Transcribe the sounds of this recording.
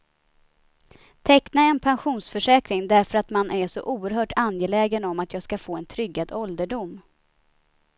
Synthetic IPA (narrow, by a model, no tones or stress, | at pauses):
t̪ʰɛknaɛnpʰanɧuːnsfœʂɛːkɾɪŋd̪æɾfœɾat̪manʔæʂɔ̰ʔuːəɾɦœːʈʰanjɛlɛːɡənɔmat̪jɑːɡskafoːɛnt̪ʰɾʏɡːad̪ɔld̪əɖʊm